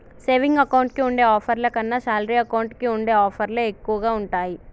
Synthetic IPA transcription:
se̞ːʋiŋɡɐkɐwɳʈ̚kiuɳɖe̞ːɔːpʰɐɾlɐkɐnːɐʃaːlɾiɐkɐwɳʈkiuɳɖe̞ːaːpʰɐɾloekːuʋɐɡaːuɳʈaːji

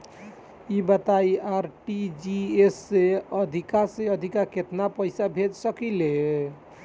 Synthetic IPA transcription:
ibət̪ajaɾʈid͡ʒiesːeəd̪ʱikaseəd̪ʱikaket̪napəɪjsabʱed͡ʒsəkile

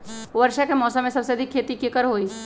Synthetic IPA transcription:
ʋəɾʃakemɔːsəmːẽsɐbseɐd̪ʱikʰːeːt̪ikːekəɾɦoːi

